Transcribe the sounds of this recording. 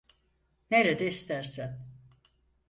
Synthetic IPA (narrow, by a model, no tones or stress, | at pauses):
neɾed̪ɛist̪ʰæɾsæn